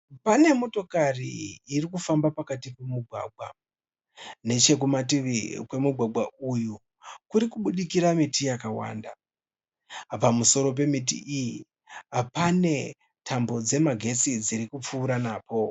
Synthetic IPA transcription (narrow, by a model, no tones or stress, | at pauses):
pane̞mo̞to̞karḭirikufambapakatipemuɡʱwa̰ɡʱwa̰ | ne̞t͡ʃe̞k̬umatiʋikwe̞muɡʱwaɡwauju | kuɾikuɓuɗikiɾamitijakawa̰ːnda | pamuso̞ɾo̞p̬e̞mitḭʔiji | pane̞ | tʰambo̞d͡ze̞maɡʱe̞t͡sid͡ziɾikup͡fuːɾanaːpo̞